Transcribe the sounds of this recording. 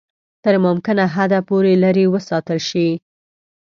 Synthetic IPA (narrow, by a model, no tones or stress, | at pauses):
t̪əɾmɑmkɪnaɦad̪apoɾelaɾiwəsɑt̪əlʃi